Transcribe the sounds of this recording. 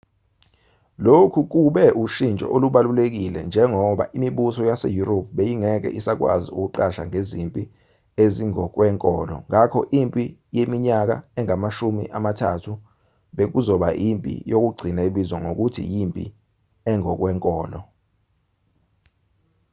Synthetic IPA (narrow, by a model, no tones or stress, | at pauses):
lokʰuk̬uɓɛʔuʃint͡ʃʼɔ̰ʔoluɓalulek̬ilɛ̰nd͡ʒʱɛŋɔɓa̰ʔimiɓusɔjasḛjuɾopʰɓejiŋɛk̬ɛ̰ʔisak̬wa̰ziuk̬uǃaʃa̰ŋezimpʼi | eziŋɔk̬wɛŋkʼɔːlɔ̰ŋakʰɔ̰ʔimpʼijemiɲak̬a̰ɛŋamaʃumḭʔamatʰa̰tʰu | ɓek̬uzɔɓajʔimpʼḭjok̬uɡ͡ǀʱinaiɓizwɔŋok̬utʰḭjimpʼḭ | ɛŋɔk̬wɛːŋkʼɔːlɔ